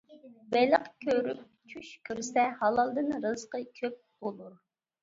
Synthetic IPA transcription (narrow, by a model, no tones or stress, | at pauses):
bɛləqkʲʰøɾyp̚ | t͡ʃʰuʃkʲʰyɾsɛhɑlˠɑlˠd̪ɨnɾɨzqəkʲʰøp̚b̥olˠuɾ